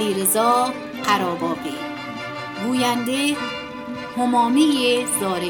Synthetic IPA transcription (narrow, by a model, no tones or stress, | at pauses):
iɾezɔː | qʰaɾɔːbɔːbi | ɡuːjænd̪e | hʊmɔːmijezɔːɾe